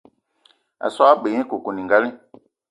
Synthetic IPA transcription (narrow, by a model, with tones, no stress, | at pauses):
a̰˨sa˦a˦ɓe˨ɲɛ̃˦ko˨ko˨nĩ˨ŋɡa˦lĩ˦